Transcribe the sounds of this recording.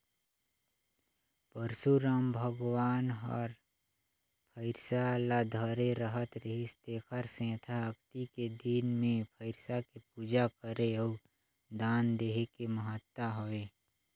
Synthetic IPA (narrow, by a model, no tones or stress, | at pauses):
pəɾsuɾaːmbʱəɡʋaːnɦə̰ɾ | pʰəɪɾsalad̪ʱəɾeɾəɦət̪ɾəɦist̪eːkʰəɾsɛ̃ːt̪ʰaəkt̪iked̪inmẽpʰəɪɾsakepuːd͡ʒakəɾeɔː | d̪aːnd̪eːɦekeməɦət̪ːaɦoeː